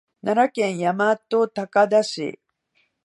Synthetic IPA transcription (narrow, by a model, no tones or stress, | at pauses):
nʔanakẽ̞ɰ̃jamat̪ot̪akad̪aɕḭ